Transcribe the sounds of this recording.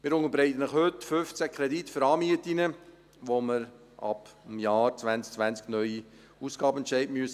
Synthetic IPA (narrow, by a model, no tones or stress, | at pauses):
mɪːɾʊŋəɾbɾɛɪt̪ənəχhøtføft͡sækʰɾɛditfʏɾɑːmiətinə | ʋoməɾ | ʔɑ̰b̥mjɑːɾt͡svænt͡sk̚t͡sʋænt͡sknœʏi | usɡ̥ɑːbəɛnt͡ʃɛɪdmyəs